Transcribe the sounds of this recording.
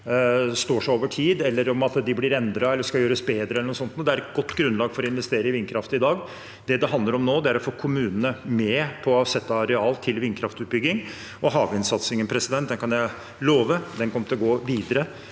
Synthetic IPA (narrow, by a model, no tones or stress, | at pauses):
st̪oːʂæoːʋəʈʰiːd̪ɛlːəɾɔmɑt̪d̪ɪblɪɾɛnd̪ɾɑɛlːəʂkɑljøːɾəsbeːd̪ɾəɛlːənʊsɔnt̪nuːd̪ɛæɾɛt̪̚ɡɔt̪ːɡɾʉnlɑːɡfɔɾɔɪnʋɛst̪eːɾəɪʋɪnkʰɾɑft̪əɪd̪ɑːɡ | d̪̥ɛd̪ɛɦɑnd̪ləɾɔmnoːd̪ɛæɾɔfoːkʰʊmʉːnənəmɛpʰɔsɛt̪ːɑɑɾɛɑːlt̪ʰɪlʋɪnkʰɾɑft̪ʉːt̪̚bʏɡːɪŋ | ɔɦɑːʋɪnsɑt̪sɪŋənpʰɾɛsɪd̪ɛnt̪̚d̪ɛnkʰɑnjæɪ | loːʋəd̪ɛnkʰɔmət̪ɪlɡoːʋiːd̪əɾə